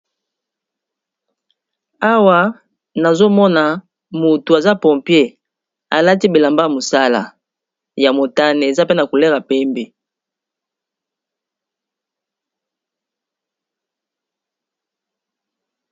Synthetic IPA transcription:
a˦wa˨ | na˨zo˦mɔ˦na˨ | mu˨tu˨a˨za˦pɔ˨pje˦ | a̰˨la˦ti˦bi˨la˨mba˦˨mo˨sa˦la̰˨ | ja˨mo˨ta˦ne˨e˨za˦pe˦na˨ku˨le˦ʁa˨pɛ˦mbe˨

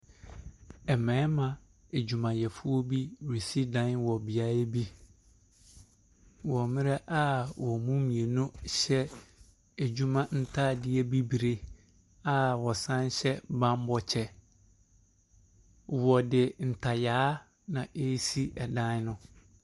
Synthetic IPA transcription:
ɛ˨mɛ̃˨˦mã˨ | e˨d͡ʑu˨mã˨jɛ˨fʊ˦ɔ˦bi˦˨ɾi˨si˦dã˦n˦wɔ˨bi˨a˦e˦bi˦ | wɔ˨mɪ̃˦ɾɛ˦ʔa˦wɔ˨mũ˦mĩ˨e˨nũ˦ɕɛ˦ | e˨d͡ʑu˦mã˦n̩˦tʰaː˦˨dɪ˦ɛ˦bi˦bi˨ɾe˦ | a˦˨wɔ˨sã˦n˦ɕɛ˦bã˦m˦bɔ˦t͡ɕʰɛ˦ | wɔ˨dɪ˨n̩˨tʰa˨jaː˨˦ | nã˨ʔe˦si˦ɛ˨dã˦n˦nʊ̃˦

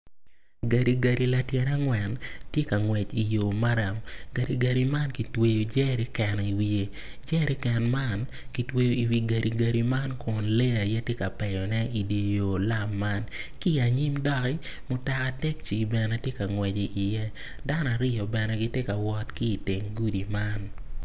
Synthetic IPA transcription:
ɡa˨ɾi˨ɡa˨ɾi˨la˨tjɛ˨ɾa˦ŋwɛ˨ntje˦ka˨ŋwɛ˨t͡ʃi˨jo˨ma˦ɾa˨mɡa˨ɾi˨ɡa˨ɾi˨ma˦nki˨twe˨jo˨d͡ʒɛ˦ɾi˦kɛ˨n˨i˨wi˨e˦ | d͡ʒɛ˦ɾi˦kɛ˨nma˦n | ki˨twe˦jo˦i˨wi˨ɡa˨ɾʔi˨ɡa˨ɾi˨ma˦nkʰʊ˨nle˦a˨jɛ˦tje˦ka˨pɛ˨jɔ˨nɛ˦i˨de˨jo˨la˦mːa˦n | ki˦a˨ɲi˦mdɔ˦kɪ˦ | mʊ˨ta˨ka˨˦tɛ˦k̚t͡ʃi˨bɛ˨nɛ˦tje˦ka˨ŋwɛ˨d͡ʒi˨ʔi˨jɛ˦ | da˦n˦a˨ɾɪ˦jɔ˨bɛ˨nɛ˨ɡɪ˦te˦ka˨wɔ˦tki˦i˨tɪ˨ŋɡu˦di˨ma˦n

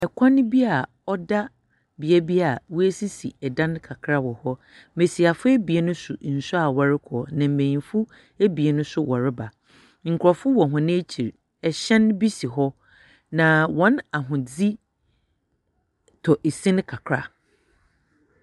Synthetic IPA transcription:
ɛ˨kʷʰã˦nɪ̃˦bi˦a˨ | ɔ˦da˦ | bi˨ɛ˦bi˦a˨wʊ˦e˦si˦sḭ˨ɛ˨dã˦n˦kʰa˨kʰɾa˦wɔ˨hɔ˦ | me˨si˨a˨fʊ˦e˦bi˨e˦nʊ̃˦sʊ̰˨n̩˨sʊ˦a˨wɔ˨ɾɪ˦kʰɔː˨nã˨m̩˨mẽ˨ɲĩ˨fu˦ | e˦bi˨e˨nʊ̃˦sʊ˦wɔ˨ɾɪ˦ba˨ | ŋ̩˨kʰɔ˨fʊ˦wɔ̃˨ɦʊ̃˨nɪ̃˦e˦t͡ɕʰi˨ɾ | ɛ˨ɕɛ̃˦n˦bi˦si˨ɦɔ˦ | nã˨wɔ̃˨˦na˨ɦʊ̃˨d͡zi˦ | tʰɔ˨ʔe˨sĩ˦n˦kʰa˨kʰɾa˦

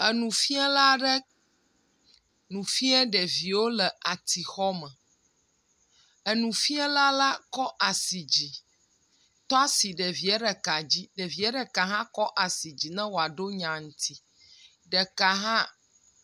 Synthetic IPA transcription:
ə˨nũ˨fi˦ɛ˦la˦ɖə˦ | nũ˨fi˦ɛ˦ɖɛ˨vi˨wo˦lə˨ʔa˨t̪i˨xɔ˦mɛ˨ | ə˨nũ˨fi˦ɛ˦la˦la˦kɔ˦ʔa˨si˨d͡ʑi˨ | t̪ɔ˦a˦si˨ɖə˨vi˨ɛ˦ɖə˨ka˨d͡ʑi˦ɖə˨vi˨ɛ˦ɖə˨ka˨ɦã˦kɔ˦ʔa˨si˨d͡ʑi˨nɛ̃˦wo˨a˨ɖo˦ɲã˨ŋũ˦t̪ʰi˦ | ɖə˨ka˨ɦã˦

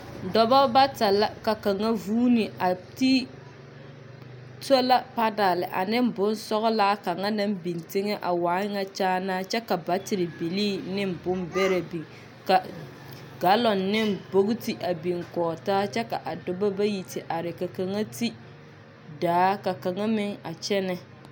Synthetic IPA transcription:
dɔ˨ba˦ba˦ta˨la˦ka˨ka˨ŋa˦vuː˦ni˨ʔa˨ti˦ | to˦la˦pa˦da˨lɪ˨ʔa̰˨nɪ˦m˦bʊ˦n˦sɔ˦ɣʊ˦laː˦ka˨ŋa˦na˦mbi˨ntɪ˦ŋɛ˦ʔa˨waː˨˦ŋa˦t͡ʃaː˦naː˦t͡ʃɛ˦ka˨ba˨˦tɪ˨ɾɪ˨bi˨liː˦nɪ˦mbʊ˦mbɛ˦ɾa˨bi˨ŋ | ka˨ | ɡa˦lɔ˨nːɪ˦mbo˦ɡʊ˦ti˨ʔa˨bi˨ŋkɔː˨taː˦t͡ʃɛ˦ka˨ʔa˨dʊ˨ba˦ba˦ji˨tɪ˨ʔa˨ɾɪ˨ka˨ka˨ŋa˦ti˦ | daː˨˦ka˨ka˨ŋa˦mɪ˦ŋa˨t͡ʃɛ˦nɛ˦

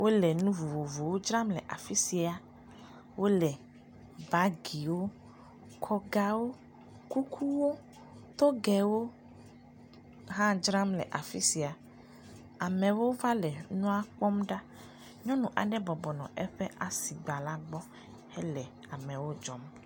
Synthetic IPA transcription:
wʔo˦lɛ˨nũ˦vo˨vo˨vo˨wo˦d͡ʒɾã˦mlɛ˨ʔa̰˨fi˦si˨a˨ | wo˦lɛ˨ | ba˦ɡi˨wo˦ | kʰɔ˦ɡa˦wo˦ | ku˦kʰu˦wo˦ | t̪o˦ɡɛ˨wo˦ | ɦã˦d͡ʒɾa˦mlɛ̰˨ʔa˨fi˦si˨a˨ | a˨mɛ̃˨wo˦va˦lɛ˨nũ˦a˦k͡pɔ˦mɖa˦ | ɲɔ̃˦nũ˨ʔa̰˨ɖɛ˦bɔ˨bɔ˨nɔ̃˨ʔɛ˦ɸɛ˦ʔa˨si˨ɡ͡ba˨la˦ɡ͡bɔ˦ | hɛ˦lɛ˨ | a˨mɛ̃˨wo˦d͡ʒɔ˦m

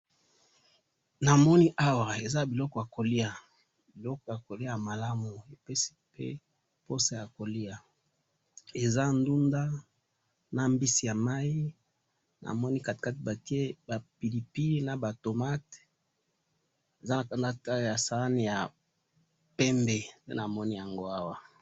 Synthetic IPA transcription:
na˨mɔ˦ni˦ʔa˦wa˨e˨za˦bi˨lɔ˦kɔ˨ja˨ko˨li˦a˨ | bi˨lɔ˦kɔ˨ja˨ko˨li˦a˦ja˨ma˨la˦mu˨e˨pe˦si̥˦pḛ˦ | po˦sa˦ja˨ko˨li˦a˨ | e˨za˦ndu˦nda˦ | na˨mbi˦si˨ja˨ma˦i˦ | nʔa̰˨mɔ˦ni˦ka˨t̚ka˦tba˨ki˦e˦ba˨pi˨li˨pi˦na˨ba˨to˨ma˦t | e˨za˦na˨ka˨nda˦ta˦˨ja˨sa˨a˦ni˨ja˨ | pe˦mbe˨pḛ˦na˨mɔ˦ni˦ja˨ŋɡo˦a˦wa˨

